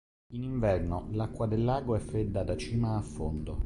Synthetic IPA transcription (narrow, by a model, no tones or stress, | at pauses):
iniɱvɛrnolakːwad̪elːaːɡoɛfɾed̪ːad̪at͡ʃiːmaːfːond̪o